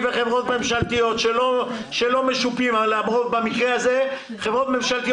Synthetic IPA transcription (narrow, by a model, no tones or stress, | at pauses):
veχevʁo̞t̪me̞mʃalt̪ijo̞t̪ʃelo̞ʃelo̞me̞ʃupimaleamʁovbamikʁeaze̞ | χevʁo̞t̪me̞mʃalt̪i